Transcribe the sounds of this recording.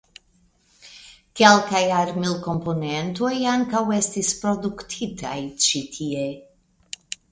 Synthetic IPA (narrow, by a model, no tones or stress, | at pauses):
kɛlkajaɾmilkomponent̪ojaŋkawɛst̪ispɾod̪ukt̪ʰit̪ʰa̰jt͡ʃit̪ʰie